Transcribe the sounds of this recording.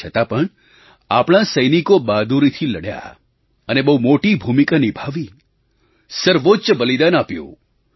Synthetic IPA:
ət̪apəɳ | a̰pɽ̃asəjnikobad̪uɾit̪ʰiləɽja̰ | ənebəumoʈibʱumikanibʱaʋi | səɾʋot͡ʃbəlid̪anapjõ̰

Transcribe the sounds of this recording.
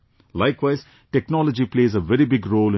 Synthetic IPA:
laɪkʋaɪz̥ | ʈɛknɔːləd͡ʒipleːzəʋɛɾibɪɡɾoːlɪ̃

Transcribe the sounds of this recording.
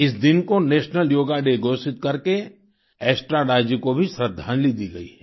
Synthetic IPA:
ɪs̬d̪ɪnkoneːʃnəljoːɡaɖeɡoːsɪt̪̚kɐɾke | ɛːsʈɾaɾaːd͡ʒikobʱisɾəd̪ʱːaːnlid̪iɡɐḭɛ

